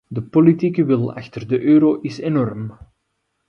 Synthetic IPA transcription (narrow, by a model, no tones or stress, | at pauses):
dəpolitiːkəʋɪlˠɑ̰xtərdəʔøːɾoʔɪsenɔrm